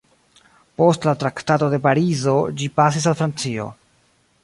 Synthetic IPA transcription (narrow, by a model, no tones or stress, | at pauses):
po̞stlatɾaktato̞de̞paɾizo̞d͡ʒipas̬is̬alfɾant͡sio̞̰